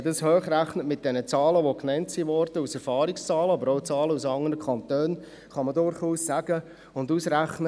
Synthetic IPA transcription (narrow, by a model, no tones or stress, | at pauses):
dɑshøːχɾæχnətmɪt̚d̥ɛnət͡sɑːləʋoknɛntsiʋɔɾd̥əusɛɾfɑːɾikst͡sɑːləɑbəɾoʊt͡sɑːləusɑŋəɾəkʰɑntøːn | χɑmədʊɾχuːsːæɡ̥ə | ʊndusɾæχnə